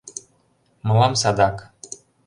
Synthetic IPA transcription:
mɤ̆lɑmsɑd̪ɑk

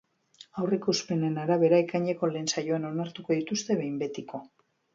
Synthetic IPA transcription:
awrikuspe̞ne̞naɾaβ̞e̞ɾaekaɲeko̞le̞ːnsajo̞ano̞naɾt̪uko̞ðit̪ust̪e̞βe̞jmbe̞t̪iko̞

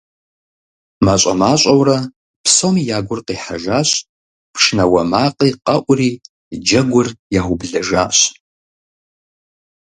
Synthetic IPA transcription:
maɕʼɐ̰maːɕʷʼɐwrɐ | pʰsomijaːɡʷʊrqiːħa̰ʒaːɕ | pʰʂnɐwɐmaːqʼiːqɐʔʷʼriː | d͡ʒɐɡʷʊrjaːχʷʊbɮɐʒaːɕ

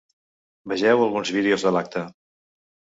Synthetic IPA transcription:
bəʒɛwəlˠɣunzβiðeozðəlak̚t̪ə

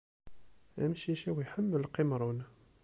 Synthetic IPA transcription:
æ̰mʃiʃiwiħəmːələqimɾˤun

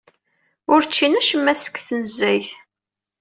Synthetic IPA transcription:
ʊɾt͡ʃːinæʃəmːæsə̥kːθnəzːæjθ

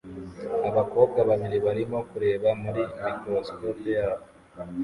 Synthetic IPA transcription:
aβako̞ːbɡaβaβiɾiβaɾimo̞kuɾe̞ːβamuɾimikɾo̞sko̞pijaːβo

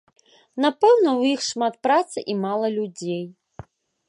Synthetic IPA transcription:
napɛwnɐwjixʂmat̪̚pɾat̪sɨʔimalˠɐlʲud͡zʲej

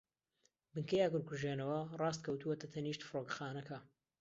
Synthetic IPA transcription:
bɨŋkɐjaːkʊɾkʰuʒeːnɐwɐrɑːs̬t̪̚kʰɐwt̪uwɐt̪ɐt̪ʰɐniːʃt̪fɨɾokxaːnɐkɐ

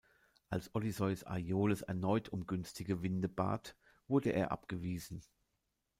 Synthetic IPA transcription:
ʔalsʔɔlizɔʏsa̰joːləsɛ̰ɐnɔʏtʰʊmɡʏnstʰɪɡəvɪndəba̰ːt | v̥ʊɐdəʔeːɐʔa̰pɡ̥əviːzn̩

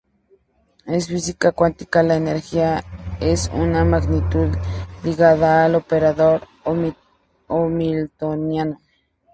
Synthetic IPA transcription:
esfisikakwant̪i̥kalaeneɾxiaesṵnamaɡnit̪uðliɣaðaːlopeɾaðoɾ | o | omilt̪onjano

